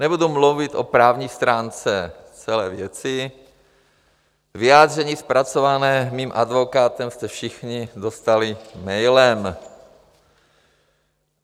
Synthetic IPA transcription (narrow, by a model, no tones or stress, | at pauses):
nɛbudumluvɪt̪ʔo̰pɾaːvɲiːst̪ɾaːnt͡sɛ | t͡sɛlɛːvjɛt͡sɪ | vɪjaːd̪r̝ɛɲiːspɾat͡sovanɛːmiːmʔad̪vo̞kaːt̪ɛmst̪ɛfʃɪxɲɪd̪ost̪alɪmɛjlɛm